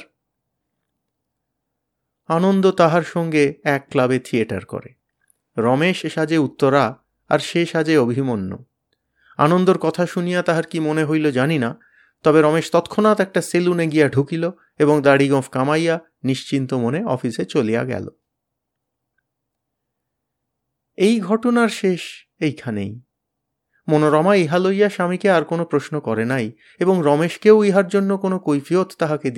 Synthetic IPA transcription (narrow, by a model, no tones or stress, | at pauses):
anond̪ot̪aɦaɾʃɔŋɡeɛkːlabet̪ʰieʈa̰ɾko̰ɾe | ɾɔmeʃeʃad͡ʑeut̪ːoɾa | a̰ɾʃeʃad͡ʑeobʱimonːo̰ | a̰nond̪oɾkɔt̪ʰaʃunijat̪aɦaɾkimoneɦojlod͡ʑanina | t̪ɔbeɾɔmeʃt̪ɔt̪kʰonat̪ɛk̚ʈaseluneɡijaɖʱukilo | eboŋd̪aɽiɡɔfkamaja | niʃt͡ɕint̪omoneɔ̰fiset͡ɕolija̰ɡɛ̰lo̰ | ejɡʱɔʈonaɾʃeʃ | ejkʰanḛj | monoɾɔmaiɦalojaʃamikeaɾkonopɾosnokɔɾenaj | eboŋɾɔmeʃkewiɦaɾd͡ʑonːokonokojfʰiot̪ːaɦaked̪i